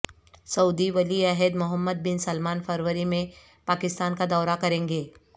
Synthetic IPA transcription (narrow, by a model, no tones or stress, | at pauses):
sɐʊd̪iʋɐliɛɦəd̪mʊɦəmːəd̪̚bɪnsɐlmaːnfʰəɾʋəɾimẽ | paːkɪst̪aːnkad̪ɔːɾakɐɾẽːŋɡeː